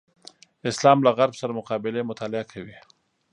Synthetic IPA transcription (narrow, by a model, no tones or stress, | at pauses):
ɪslɑːmlaɣaɾbsaɾamʊqɑbɪlemʊt̪ɑlɪakʰawi